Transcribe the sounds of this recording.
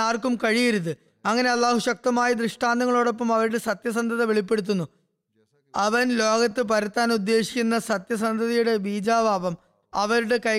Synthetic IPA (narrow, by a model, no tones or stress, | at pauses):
aːrkumkɐɻijiɾut̪ːɨ | ɐŋːɐne̞ɐlːaːɦuɕɐk̚t̪ɐmaːjid̪rɨʂʈaːnd̪ɐŋːɐɭoːɽo̞pːɐmɐʋɐɾuɽe̞sɐt̪jɐsɐnd̪ʱɐðɐʋeɭipːe̞ɽut̪̬ːunːu | ɐʋɐnlo̞ːɡɐt̪ːɨpɐɾɐt̪ːaːnud̪ːe̞ːɕi̥kʲːunːɐsɐt̪jɐs̬ɐnd̪ʱɐðɐjuɽe̞biːd͡ʑaːbaːʋɐm | ɐʋɐɾuɽe̞kɐj